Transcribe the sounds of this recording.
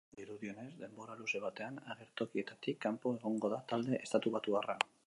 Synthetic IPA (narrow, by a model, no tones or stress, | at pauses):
d̪iɾuðio̞ne̞zd̪e̞mbo̞ɾaluse̞β̞at̪e̞anaɣ̞e̞ɾt̪o̞kie̞t̪at̪ikːampo̞e̞ɣ̞o̞ŋɡo̞ðat̪ald̪e̞ʔest̪at̪uβat̪uara̰